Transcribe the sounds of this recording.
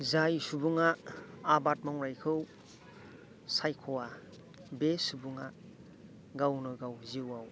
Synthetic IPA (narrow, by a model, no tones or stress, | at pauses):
zajsubuŋaː | bat̚mawɾajkʰɯw | sajkʰowa | besubuŋa | ɡawnojɡawziwaw